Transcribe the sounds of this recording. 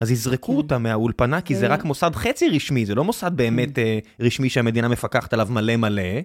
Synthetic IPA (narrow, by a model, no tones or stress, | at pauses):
azizʁekuotameaulpanakizeʁakmo̞sad̪χe̞t͡siʁiʃmizelo̞mo̞sad̪̚be̞ːmeteʁiʃmiʃeame̞d̪iname̞fakaχḁt̪alavmale̞male̞